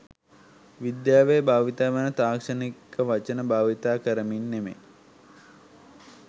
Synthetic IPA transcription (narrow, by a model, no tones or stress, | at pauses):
ʋid̪jaːʋejbʱaːʋit̪aːʋenət̪aːkʂənikʰəʋat͡ʃənəbaːʋit̪aːkəɾəminːemḛ